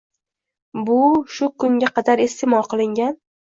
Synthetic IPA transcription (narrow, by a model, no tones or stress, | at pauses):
bʊʃʊkʰʊŋɡʲaqʰɑd̪aɾest̪ʰemɒlˠqɨlˠɪŋɡʲan